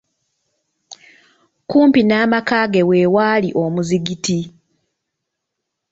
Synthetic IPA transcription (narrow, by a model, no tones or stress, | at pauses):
kuːmpinaːmakaːɡe̞we̞waːliʔo̞muziɡiti